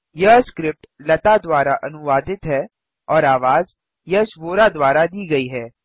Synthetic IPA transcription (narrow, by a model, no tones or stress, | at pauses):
jɐskɾɪp̚ʈlɐt̪ad̪waːɾaʔɐnʊʋaːd̪ɪt̪ɦɛː | ɔːɾaːʋaːz | jɐʃʋoːɾad̪waːɾad̪iːɡɐiɦɛː